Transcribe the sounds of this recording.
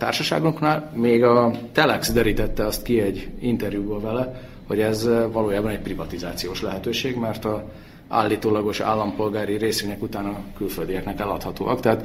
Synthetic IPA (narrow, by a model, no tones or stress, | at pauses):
t̪a̰ːrʃɒʃa̰ːɡuknaːlmeːɡɒt̪ɛlɛksd̪ɛɾit̪ɛt̪ːɛɒst̪kiɛɟːint̪ɛrjubɒvɛlɛ | ho̞ɟɛzvɒloːjaːbɒnɛc̚privɒt̪izaːt̪sijoːʃlɛɦɛt̪øːʃeːɡmɛrt̪ɒ | a̰ːlːiːt̪oːlɒɡo̞ʃa̰ːlːɒmpo̞lɡaːɾiɾeːsʋeːɲɛkut̪aːnɒkylføld̪ijɛknɛkɛlɒt̪hɒt̪o̰ːɒkt̪ɛɦaːt̪